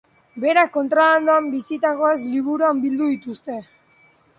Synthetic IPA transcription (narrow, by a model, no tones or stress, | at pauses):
be̞ɾako̞nt̪ɾoland̪uambisit̪aɣoezliβuɾuambild̪uðit̪ust̪e̞